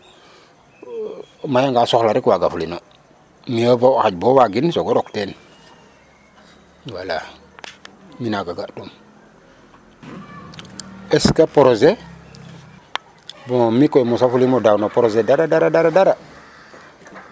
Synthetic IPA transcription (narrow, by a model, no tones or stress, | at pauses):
majaŋɡasoxlaɾikwaɡafulino | miavowxaɟ̚bowaɡinsoɡoɾokten | wala | minaɡaɡadum | eskapoɾoze | bomikojmusafulimodawnopoɾozedaɾadaɾadaɾadaɾa